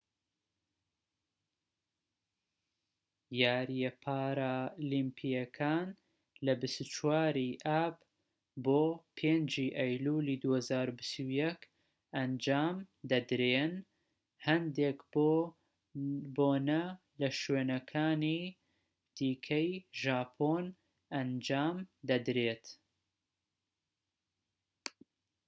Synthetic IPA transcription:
jaːɾjɛpʰaːɾalimpʰijɐkʰaːn | lɐbɨst̪ut͡ʃwaːɾiːʔaːb | boːpʰeːnd͡ʒiːʔɐjluːliːd̪uːhɐzaːɾubɨst̪uwjɛk | ɐnd͡ʒaːmd̪ɐd̪ɾeːn | hɐnd̪ek | boːnɐ | lɐʃweːnɐkʰaːniː | d̪̥iːkʰɐjʒaːpʰoːn | ʔɐnd͡ʒaːmd̪ɐd̪ɾeːt̪

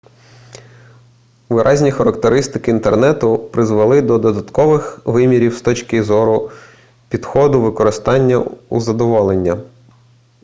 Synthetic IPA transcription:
ʋɪɾʔɑzʲnʲixɐɾɐkt̪eɾɪst̪ɪkɪiːnt̪ernɛt̪ʊpɾɪzʋɐlˠɪd̪ɔd̪ɔd̪ɐt̪kɔʋɪxʋɪmʲiɾʲiwst̪ɔt͡ʃkɪzɔɾʊ | pʲid̪xɔd̪ʊʋɪkɔɾɪst̪ɑnʲːɐṵzɐd̪ɔʋɔlˠenʲːɐ

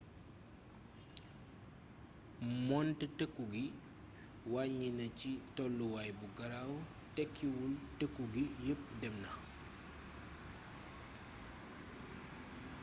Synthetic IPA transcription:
mɔntətəkːuɡi | waɲːinɐcitɔlːuwajbuɡɐɾaw | tɛkʰːiwultəkːuɡijəp̚dɛmnɐ

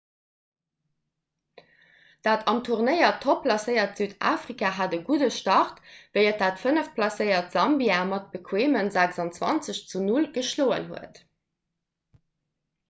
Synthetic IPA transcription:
d̥aːtʰɑmtʰuʁnəɪɐtʰːopʰlɑsəɪɐtz̥yːda̰ːfʁikaɦaːdəɡudəʃtɑʁtvəɪət̚d̥aːtfənəfpʰlɑsəɪɐtz̥ɑmbiaːmɑt̚b̥əkʰweːmənzækzɑnt͡swɑ̰nt͡səɕt͡sunulɡ̥əʃloːə̰nɦṵət

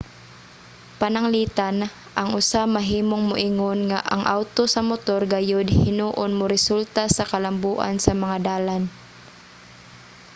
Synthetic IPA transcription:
pɐnɐŋliːt̪an | ʔɐŋʊsamɐɦiːmoŋmʊʔɪŋonŋaʔɐ̰ŋʔawt̪osɐmʊt̪oɾɡɐjod̪hɪnuːʔonmʊɾɛsult̪asɐkɐlambuːʔa̰nsɐmɐŋad̪aːlan

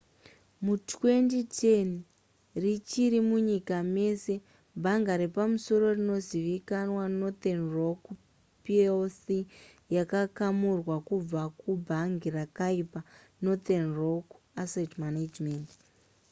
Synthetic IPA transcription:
mutwe̞nditʰen | rit͡ʃiɾimuɲikame̞se̞ | bʱaŋɡaɾepamuso̞ɾo̞rino̞ziʋikanwano̞t̪enrok | pielsijakakamurwakub͡vakubʱaŋɡirakaipa | no̞t̪enrok | asetmanad͡ʒment

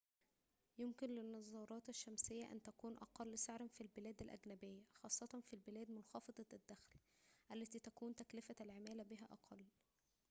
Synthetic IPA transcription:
jemkɪnlɪnːɑzˤːɑːɾˤɑːt̪æʃːæmsɪjːæʔæ̰nt̪ækuːnʔɑqɑlːsaʕɾænfilbɪlæːd̪ælʔæ̰ɡnæbejːæxɑːsˤːɑt̪ˤɑnfilbɪlæːd̪mʊnxɑːfɑd̪ˤɑd̪ːæxlʔælːæt̪iːt̪ækuːnt̪æklɪfælʕemæːlæbiɦæʔɑqʰɑlː

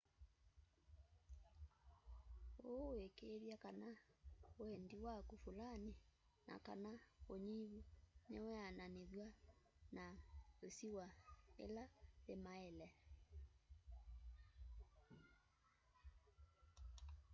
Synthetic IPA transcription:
owekeðjakanaoɛndiwakufulane | nʔa̰ka̰naoɲiβunɛwɛananeðwanaosiwaḛlaðemaelɛ

